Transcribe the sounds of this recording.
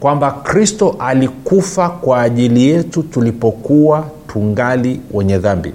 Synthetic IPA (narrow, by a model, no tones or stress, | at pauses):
kwambakɾistɔʔalikufakwaːʄilijɛtutulipɔkuwatʰuŋɡaliwʔɛɲɛðambḭ